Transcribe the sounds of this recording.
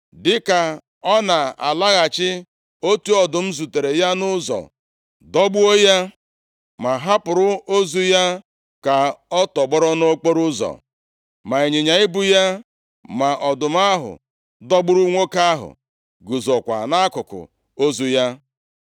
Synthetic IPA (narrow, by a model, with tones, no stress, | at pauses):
dɪ˨ka˨ | ɔ˦na˨a̰˨la˦ɣa˨t͡ʃɪ˦ | o˦tu˦ɔ˨dʊ˨m̩˦zu˨te˨ɾe˨ja˦nʊ˦zɔ̰˨ | dɔ˦ɡ͡bu˦o˦ja˦ | ma˨ɦa˦pʊ˨ɾʊ˦o˦zu˦ja˦ | ka˨ɔ˦tɔ˨ɡ͡bɔ˦ɾɔ˦no˦o˦k͡po˦ɾʊ˦zɔ̰˨ | ma˨e˨ɲe˨ɲa˨ɪ˦bʊ˦ja˦ | ma˨ʔɔ˨dʊ˨m˦a˦ɦʊ̰˨ | dɔ˦ɡ͡bʊ˦ɾu˦ŋʷo˦ka˦ɦʊ̰˨ | ɡu˨zɔ˨kʷa̰˨na˦kʊ˨kʊ̰˨ | o˦zu˦ja˦